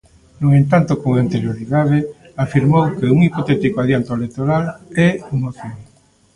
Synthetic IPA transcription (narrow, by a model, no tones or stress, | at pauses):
nũŋẽnt̪ant̪okoŋant̪eɾjoɾiðaðɪ | afiɾmowkeuŋipot̪ɛt̪ikoaðjant̪oelekt̪oɾalɛumoθjoŋ